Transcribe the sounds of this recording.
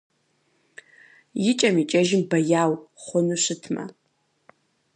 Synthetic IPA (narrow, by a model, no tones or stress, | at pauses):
jɪt͡ʃʼɐmit͡ʃʼɐʒɪmbɐjaːwχʷʊnuɕɨtʰmɐ̰